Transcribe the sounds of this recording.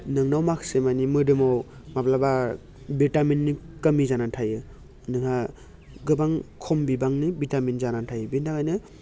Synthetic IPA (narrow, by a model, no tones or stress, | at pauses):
nɯŋnawmakʰsemanimɯdɯmaw | maplaba | bitaminːikəmizanantʰajɯ | nɯŋa | ɡɯbaŋkʰɔmbibaŋnibitaminzanantʰajɯbindakajnɯ